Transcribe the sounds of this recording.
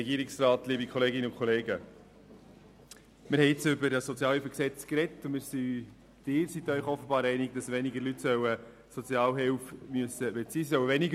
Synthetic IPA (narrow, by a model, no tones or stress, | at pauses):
ɛɡiːɾɪksrɑːtliːbikʰɔleːɡɪnəʊnkʰχɔleːɡə | mɪɾhɛɪɪt͡sʏbəɾɑsɔt͡sjɑːlhyfəksɛt͡skɾɛtːʊmɪːɾsi | d̥ɪːɾsit̪œʏχɔfːəbɑːɾɛɪnɪɡ̚d̥ɑsʋɛniɡəɾlytsœwə | sɔt͡sjɑːlɦɪwfmyəsəbɛt͡siːsœwəʋɛniɡə